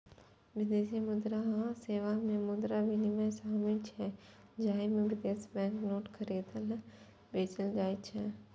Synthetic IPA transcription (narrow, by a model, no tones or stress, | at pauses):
ʋɪd̪eːsimʊd̪ɾaɦãseːʋamẽmʊd̪ɾaʋinimãsaːmɪlt͡ʃʰɛ | d͡ʒaːimẽʋɪd̪eːsibɛ̃ːŋknoːʈkʰəɾeːd̪əl | beːt͡ʃəld͡ʒaːit͡ʃʰɛ